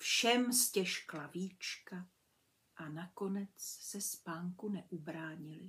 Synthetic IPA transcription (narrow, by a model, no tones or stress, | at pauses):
fʃɛmscɛʃklaviːt͡ʃka | ʔanako̞nɛt͡ssɛspaːŋkunɛʔubɾaːɲɪlɪ